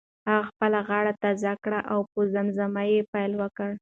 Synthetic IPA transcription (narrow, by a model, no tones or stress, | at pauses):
haɣaxpəlaɣɑɽat̪azakɽaʔawpozamzamajepajlwəkəɽ